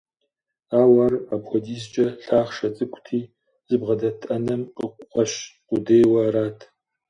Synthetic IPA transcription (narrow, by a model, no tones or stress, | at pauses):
aːwɐrapxʷɔdiːs̬t͡ʃʼɐɬaːχʂɐt͡sʼɨkʷʰʼtʰiː | z̥ɨbʁɐdɐtʰʼɐnɐmqəkʷʼqʷʼɐʃqʷʼʊdeːjwɐɾaːtʰ